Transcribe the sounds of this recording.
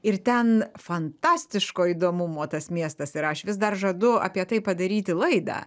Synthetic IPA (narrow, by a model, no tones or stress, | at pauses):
ɪrt̪ʲɛnfɐnt̪ɑːsʲt̪ʲɪʃkoːid̪oːmʊmoːt̪ɐsmʲiɛst̪ɐsɪɾɐʃʋʲɪs̬d̪ɐrʒɐd̪ʊɐ̰pʲiɛt̪ɐɪpɐd̪ɐɾʲiːt̪ʲɪlˠɐɪd̪ɑ̰